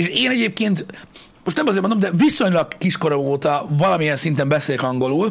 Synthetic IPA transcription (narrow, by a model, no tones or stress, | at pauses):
eːʃeːnɛɟeːp̚keːnt̪ | mo̞ʃt̪nɛmɒzeːɾmond̪omd̪ɛviso̞ɲlɒɡkiʃko̞ɾɒoːt̪ɒvɒlɒmijɛnsint̪ɛmbɛseːlkɒŋɡo̞luːl